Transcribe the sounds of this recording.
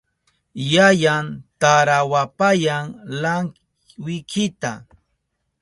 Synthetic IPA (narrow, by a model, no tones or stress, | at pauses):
jajant̪aɾawapajaŋlaŋ | wɪkʰɪt̪a